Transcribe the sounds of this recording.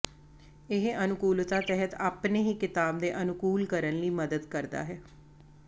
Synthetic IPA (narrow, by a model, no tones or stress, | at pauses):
ɪɦənʊkuːlt̪aːt̪ɛɦət̪aːpneːɦiːkɪt̪aːb̚d̪eːʔənʊkuːlkəɾənliːməd̪əd̪kəɾd̪a̰ːɦɛː